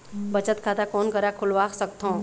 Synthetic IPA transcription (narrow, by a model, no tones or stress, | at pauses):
bət͡ʃət̪kʰaːt̪akɔːnkəɾakʰʊlʋaːksəkt̪ɦõː